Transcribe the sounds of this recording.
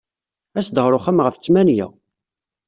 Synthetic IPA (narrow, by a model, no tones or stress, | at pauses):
æsd̪ʁɾˤʊχæmʁəft͡sːmænjæ̰